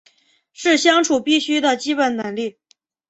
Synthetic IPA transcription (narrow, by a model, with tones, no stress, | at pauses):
ʂɻ̩˥˩ɕjɑ˥ŋʈ͡ʂʰu˨˩pi˥˩ɕy˥d̪ə˨t͡ɕi˥pə˨˩nna˧˥nli˥˩